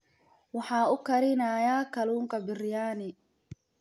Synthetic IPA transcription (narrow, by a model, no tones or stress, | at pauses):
wɑħɑːʊkʰɐɾɪnaːjaːkʰɐluːŋkʰɐbɪrjaːnɪ